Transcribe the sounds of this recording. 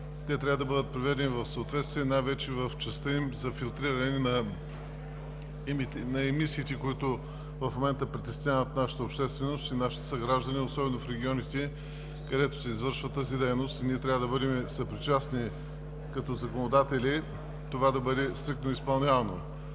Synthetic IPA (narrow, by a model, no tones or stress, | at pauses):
t̪ɛt̪ɾʲavəd̪ɐbɤd̪ət̪̚pɾivɛd̪ɛnivɐfsəot̪vɛt̪st̪viɛnajvɛt͡ʃɛvɐft͡ʃɛst̪əimzɐfilˠt̪ɾiɾɐnɛnɛnɐ | nɐɛmisiːt̪ɛkʊit̪ʊ | vɐfmomɛnt̪əpɾit̪ɛsʲavət̪naʃə̥t̪əopʃt̪ɛst̪vɛnost̪inaʃi̥t̪ə̥sɐɡɾaʒd̪ɐniosɔbɛnofɾɛɡʲiɔnit̪ɛ | kɐd̪ɛt̪o̥sɛizvɤɾʃvət̪azid̪ɛjnost̪iniɛt̪ɾʲavəd̪ɐbɤd̪ɛmɛsɐpɾit͡ʃasni | kɐt̪ɔzɐkonod̪at̪ɛli | t̪ovad̪ɐbɤd̪ɛst̪ɾik̚t̪noispɐlˠnʲavɐno